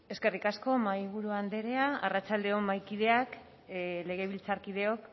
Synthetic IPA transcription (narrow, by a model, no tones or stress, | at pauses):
e̞ske̞rikasko̞majβuɾuand̪e̞ɾe̞aarat͡ʃald̪e̞omajkiðe̞ak | le̞ɣ̞e̞β̞ilt͡saɾkiðe̞o̞k